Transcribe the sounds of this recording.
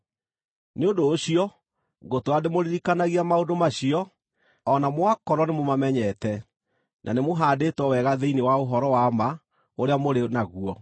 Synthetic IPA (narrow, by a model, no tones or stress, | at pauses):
neodoːɕiɔ | ɡotoademoɾiɾikanaɣiamaodomaɕiɔ | ɔnamoakɔɾɔnemomamɛɲɛtɛ | nʔa̰nemoɦaːdetwɔwɛɣaðeinewaoɦɔɾɔwama | oɾeamoɾenaɣuɔ